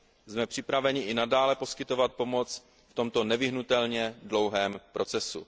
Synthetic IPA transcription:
zmɛpr̝̥ɪpɾavɛɲɪʔɪnadaːlɛpo̞skɪt̪o̞vat̪̚po̞mo̞t͡s | ft̪o̞mt̪o̞nɛvɪɦnut̪ɛlɲɛdlo̞wɦɛːmpɾo̞t͡sɛsṵ

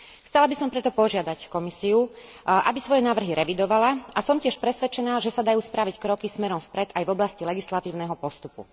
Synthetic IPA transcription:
xt͡sɛlabisɔmpɾɛt̪ɔpɔʒɪad̪ackɔmisiu | ʔa̰bisʋɔjɛnaːʋr̩ɦiɾɛʋid̪ɔʋalaasɔmcɪɛʃpɾɛsʋɛt͡ʃɛnaːʒɛsad̪ajuːspɾaʋickɾɔkismɛɾɔmfpɾɛd̪ajvɔblascilɛɡislat̪iːʊnɛɦɔpɔst̪upṵ

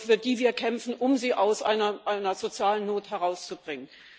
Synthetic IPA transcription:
fɪɐd̥iːviːɐkʰɛmfn̩ʔʊmziːʔaʊsʔa̰ɪnɐʔaɪnɐzot͡sjaːlənːoːthɛʁaʊst͡subʁɪŋən

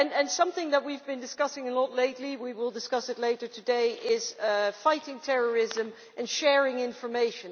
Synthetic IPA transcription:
ɨ̃nɨ̃nsʌ̃mθɪ̃ŋðət̚wivbɨ̃ndɨskʌsɪ̃ŋəlɔtˡleɪtˡliwiwɪlˠdɨskʌsɨtˡleɪɾə˞tʰɨdeɪʔɪz̥faɪɾɪ̃ŋtʰɛɹə˞ɪzɨ̃m | ʔɨ̃nʃɛɹɪ̃ŋɪ̃ɱfə˞meɪʃɨ̃n

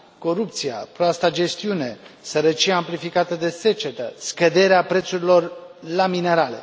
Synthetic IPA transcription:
ko̞ɾup̚t̪sia̰pɾoast̪ad͡ʒe̞st̪iune̞səɾət͡ʃiaːmplifikat̪əd̪e̞se̞t͡ʃe̞t̪əskəd̪e̞ɾeapɾet̪suɾilo̞rlamine̞ɾale̞

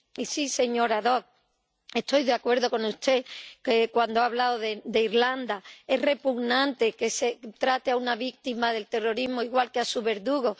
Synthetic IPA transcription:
isise̞ɲo̞ɾaðo̞k̚ | e̞st̪o̞jðeakwe̞ɾðo̞ko̞nust̪e̞kekwand̪oaβ̞laoðed̪e̞iɾland̪ae̞ɦre̞puɣnãnt̪e̞ke̞se̞t̪ɾat̪eaunaβik̚t̪imaðe̞lt̪e̞ro̞ɾiɦmo̞iɣwalkeasuβe̞ɾðuɣo

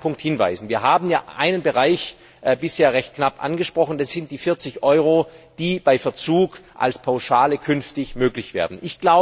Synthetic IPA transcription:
pʰʊŋk̚thɪnva̰ɪzn̩viːɐɦaːbm̩jaːʔa̰ɪnənbəʁaɪç | ʔbɪsheːɐʁɛçt̚knapʔa̰nɡəʃpʁ̥ɔχn̩dasz̥ɪntd̥iːfɪɐt͡sɪçʔɔʏʁod̥iːb̥aɪfɛɐt͡suːkʔa̰lspʰaʊʃaːləkʰʏnftɪçmøːklɪçv̥eːɐdn̩ʔɪçɡ̥laʊ

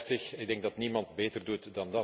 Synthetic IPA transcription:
təxɪɡ̚dɛŋɡ̚dɑtnimɑntbeːtərdutdɑndɑ

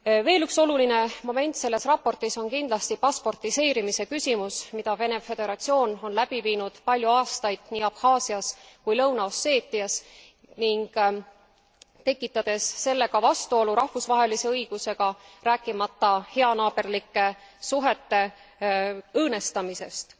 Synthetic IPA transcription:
ve̞ːlykso̞luline̞mo̞me̞nt̪se̞lːe̞srɑpːo̞rt̪iso̞nkind̪lɑst̪ipɑspo̞rt̪ise̞ːɾimise̞kysʲimusmid̪ɑve̞ne̞fe̞d̪e̞ɾɑt̪sio̞ːno̞nlæb̥iviːnud̪̥pɑlʲjuɑːst̪ɑjd̪̥niːɑpxɑːsiɑskujlɤwnɑosːe̞ːt̪ːˑiɑs | niŋɡ̥ | t̪e̞kːˑit̪ːˑɑd̪̥e̞sːe̞lːe̞ɡ̥ɑvɑst̪uo̞luɾɑhvusvɑɦe̞lise̞ɤjɡ̥use̞ɡ̥ɑræːkːˑimɑt̪ːˑɑhe̞ɑnɑːb̥e̞rlikːˑe̞suɦe̞t̪ːe̞ | ɤːne̞st̪ɑmise̞st̪

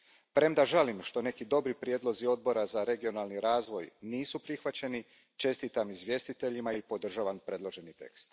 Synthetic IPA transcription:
pɾe̞md̪aʒalimʃt̪o̞ne̞kid̪o̞bɾipɾjeːd̪lˠo̞zio̞d̪̚bo̞ɾazaɾe̞ɡio̞nalˠniɾaːzʋo̞jniːsupɾixʋat͡ɕe̞ni | t͡ʃe̞st̪it̪amizʋje̞st̪it̪e̞ʎimaipo̞d̪r̩ʒaʋampɾe̞d̪lˠo̞ʒe̞nit̪e̞̰kst̪

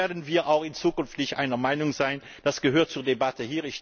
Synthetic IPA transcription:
ɐdənviːʁʔaʊxɪnt͡suːkʏnftnɪçtʔa̰ɪnɐmaɪnʊŋzaɪn | d̥asɡ̥əɦøːɐt̚t͡suːɐdebatəhiːʁɪç

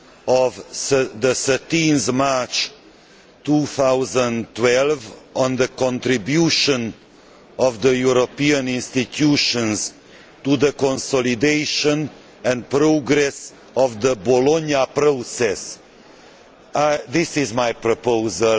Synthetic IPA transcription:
ɔvsðəsətĩnθmaɹt͡ʃ | tuθawzə̃ntwɛlˠvɔ̃nðəkɔ̃ntɾibjuʃə̃n | ɔvðəjuɾopiãnĩnstit̪ʰjuʃə̃nz | tuðəkɔ̃nsɔlid̪eɪʃə̃n | ɛ̃npɾoɡɾɛs | ɔvðəbɔlɔ̃njapɾosɛs | aðɪsɪzmajpɾopozəl

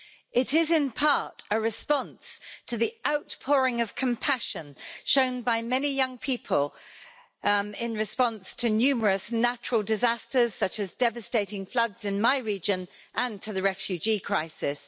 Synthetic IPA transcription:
ɪtɪzɪ̃npʰɑˑtəɹɪspɒ̃nstʰəðiʔaʊtpʰɔːɹɪ̃ŋəv̥kʰə̃mpʰaʃə̃nʃə̃ʊ̃nbaɪmɛnijʌ̃ŋpʰiˑpʰəlˠ | ɪ̃nɹɪspɒ̃nstʰənjʉːməɹəsnat͡ʃəɹəlˠdɪzastəz̥sʌt͡ʃəzdɛvəsteɪtɪ̃ŋflʌdz̥ɪ̃nmaɪɹiːd͡ʒə̃n | ʔə̃ntʰəðəɹɛfjʉd͡ʒiːkʰɹ̥aɪsɪs

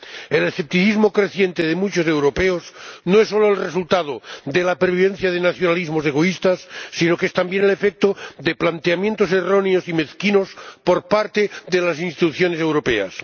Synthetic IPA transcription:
elesθe̞p̚t̪iθizmo̞kɾe̞θje̞nt̪eðemut͡ʃose̞wɾo̞peosnoesːo̞loelresult̪að̞oðelapeɾβiβe̞n̟θjaðenaθjonalizmose̞ɣ̞o̞ist̪asːino̞kest̪ambje̞nele̞fek̚t̪oðeplant̪eamje̞nt̪ose̞ro̞neo̞sime̞θkino̞spo̞ɾpaɾt̪eðe̞lasinst̪it̪uθjo̞ne̞se̞wɾo̞pe̞a̰s

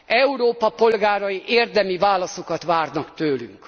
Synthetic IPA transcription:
ʔɛuɾoːpɒpo̞lɡaːɾɒjiʔeːrd̪ɛmivaːlɒsokɒt̪ʋaːrnɒkt̪øːly̰ŋk

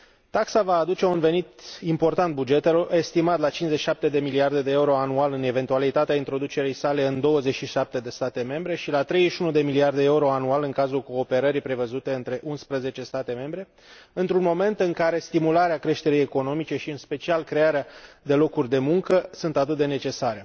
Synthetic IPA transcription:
t̪aksavaːd̪ut͡ʃe̞unve̞nit̪impo̞rt̪ant̪̚bud͡ʒe̞t̪eloe̞st̪imat̪lat͡ʃinszet͡ʃʃiʃap̚t̪e̞d̪e̞miliard̪e̞d̪e̞euɾo̞anualɨne̞ve̞nt̪ualit̪at̪eaint̪ɾo̞d̪ut͡ʃe̞ɾijsale̞ɨnd̪o̞wəze̞t͡ʃʃiʃap̚t̪e̞d̪e̞st̪at̪e̞me̞mbɾe̞ʃilat̪ɾe̞jʃunud̪e̞miliard̪eeeuɾo̞anualɨŋkazulko̞ːpe̞ɾəɾipɾe̞vəzut̪e̞ɨnt̪ɾe̞ʔunspɾəze̞t͡ʃe̞st̪at̪e̞me̞mbɾe̞ | ɨnt̪ɾunmo̞me̞nt̪ɨŋkaɾe̞st̪imulaɾeakɾe̞ʃt̪e̞ɾejeko̞no̞mit͡ʃe̞ʃiɨnspe̞t͡ʃialkɾe̞aɾead̪e̞lo̞kurʲd̪e̞muŋkəsunt̪at̪ɨt̪̚d̪e̞ne̞t͡ʃe̞saɾe̞

